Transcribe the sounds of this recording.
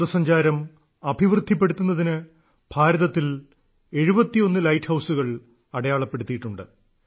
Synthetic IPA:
ðɐsɐɲd͡ʑaːɾɐm | ɐbʱiʋrɨd̪ʱːip̬ːe̞ɽut̪ːunːɐðinɨ | b̥ʱaːɾɐðɐt̪ːil | e̞ɻubɐt̪ːijo̞nːɨlɐjʈhɐwsuɣɐɭ | ɐɽɐjaːɭɐpːe̞ɽut̪ːijiʈːuɳɖɨ̰

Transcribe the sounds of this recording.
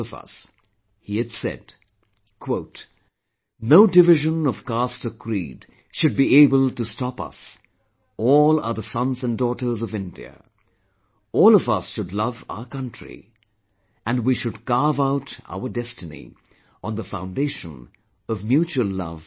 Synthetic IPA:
ʌvʌ̰s | hiɨd̥sɛ̰d̚ | kʰw̥oʊt | noʊdɨvɪʒə̃nʌv̥kɑstəkʰɹḭd̥ | ʃɨd̚bieɪbəlˠtɨstɑpʌ̰s | ɔlˠə̰˞ðəsʌ̃nzɨ̃ndɔɾə˞zʌvɪ̃ndḭɨ̰ | ɔlˠʌvʌsʃɨdˡlʌva̰ʊə˞kʰʌ̃ntʰɹ̥ḭ | ʔɨ̃nwiʃɨd̚ɡɑɹvaʊɾa̰ʊə˞dɛstɨnḭ | ə̃nðəfã̰ʊ̃ndeɪʃə̃n | ʌvmjut͡ʃuəl̩ˠlʌ̰v̥

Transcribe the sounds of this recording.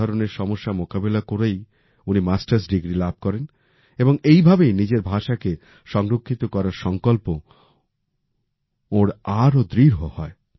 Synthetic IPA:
ɔɾoneɾʃɔmoʃːamokabelakoɾej | unimasʈaɾsɖiɡɾilab̚ʱkɔɾen | eboŋejbʱabejnid͡ʑeɾbʱaʃake | ʃɔŋɾokʰːit̪okɔɾaɾʃɔŋkolpo | oɾaɾod̪ɾiɾɦohɔe

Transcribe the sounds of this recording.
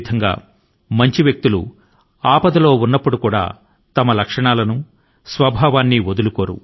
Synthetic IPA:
d̪ʰʱɐŋɡa̰ː | mɐɲt͡ʃiʋjɐk̚t̪ulṵ | aːpɐd̪ɐlo̞ːunːɐpːuɽukuːɽa̰ː | t̪ɐmɐlɐkʂɐɳaːlɐnu | sʋɐbʱaːʋaːnːiʋod̪ulukoːɾṵ

